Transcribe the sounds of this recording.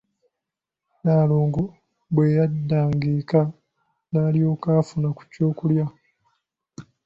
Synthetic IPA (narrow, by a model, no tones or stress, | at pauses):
naːloːŋɡo | bwe̞jadːaːŋɡiːka | naːlijo̞ːkaːfunaku̥co̞ːkulja